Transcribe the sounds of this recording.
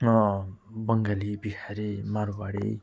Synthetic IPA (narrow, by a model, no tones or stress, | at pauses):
bʌŋɡalibikʰaɾimaɾbaɽḭ